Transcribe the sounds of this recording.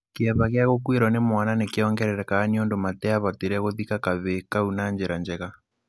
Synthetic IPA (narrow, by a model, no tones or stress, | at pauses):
keaβaɣejaɣokweɾɔnemwananekeɔŋɡɛɾɛɾɛkaːniondomatɛaβateɾɛɣoðikakaβekaunaːnd͡ʒeɾand͡ʒɛɣa